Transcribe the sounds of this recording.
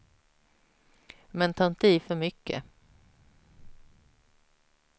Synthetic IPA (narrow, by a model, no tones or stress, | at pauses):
mɛnt̪ʰaːɪnt̪əiːfœɾmʏkːə̰